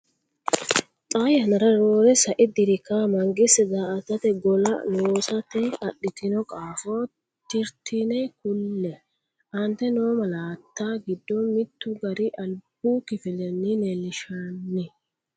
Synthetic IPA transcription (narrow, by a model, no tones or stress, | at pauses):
t̪ʼaːjɐnɐɾɐɾoːɾɛsɐʔɪd̪ɪɾɪkaːmɐŋɡɪsɛzaːʔɐt̪ɐt̪ɛɡɔlɐ̰noːsɐt̪ɛɐɗɪt̪ɪnɔkʼaːfoː | t̪ɪɾt̪ɪnɛkʊlːɛ | ʔɐnt̪ɛnoːmɐlaːt̪ːaːɡɪd̪ːɔmɪt̪ːʊɡɐɾɪʔɐlb̥uːkɪfɪlɛnːɪnɛlɪʃanːɪ